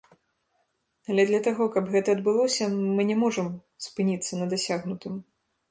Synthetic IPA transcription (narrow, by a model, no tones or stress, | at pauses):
ɐlʲɛd̪lʲɐt̪aɣɔkɐbɣɛt̪ɐɐd̪bɨlˠɔsʲɐmɨnʲɛmɔʐɐm | spɨnʲit̪sːɐnɐd̪asʲaɣnut̪ɨm